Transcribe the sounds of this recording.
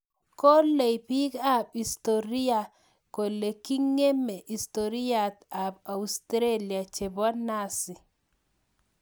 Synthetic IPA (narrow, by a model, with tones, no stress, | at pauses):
ko˦le˨jpi˦ka˦bi˨st̪o˨ɾi˦a˨ | ko˨le˨ki˦ŋe˦me˨ʔi˨st̪oɾi˦ja˨t̪a˨ba˨ust̪ɾe˦li˨a˨t͡ʃe˨ba˦na˦sɪ˨